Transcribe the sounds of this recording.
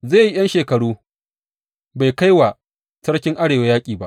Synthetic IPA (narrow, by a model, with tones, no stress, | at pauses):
zeː˦˨ji˦j̰ɐ˦nʃeː˨kɐ˨ɽuː˦ | ba˨jka˦jwa˨ | sɐ˦ɽkʲɪ˦ŋʔa˦ɽeː˨wa˦jaː˦kʲʼiː˨ba̰˦ʔ